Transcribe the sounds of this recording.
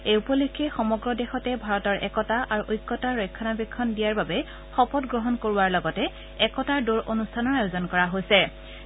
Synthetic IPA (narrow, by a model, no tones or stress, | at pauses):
eupɔlikʰːɛxɔmɔɡɹɔdɛxɔtɛbʱaɹɔtɔɹʔɛ̰kɔtaʔaɹuʔojkːɔtaɹɔjkʰːɔnabikʰːɔndijaɹbabɛ | xɔpɔtɡɹɔɦɔnkoɹuwaɹlɔɡɔtɛ | ɛkɔtaɹdoɹʔonustʰanɔɹajozɔnkɔɹaɦojsɛ